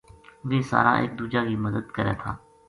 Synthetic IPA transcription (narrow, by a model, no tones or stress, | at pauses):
ʋeːsa̰ːɾa̰ːʔḛːk̚d̪uːd͡ʒaːkiːməd̪əd̪kəɾɛ̰ːt̪ʰa̰ː